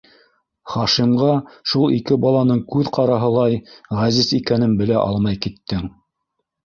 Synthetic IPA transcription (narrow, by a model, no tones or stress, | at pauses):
χɑʃimʁɑʃulˠikɘbɑlˠɑnɤɴkʉðqɑɾɑɦɤ̆lˠɑjʁæzizikænɘnbɘ̆læʔɑlˠmɑjkit̪ːɘŋ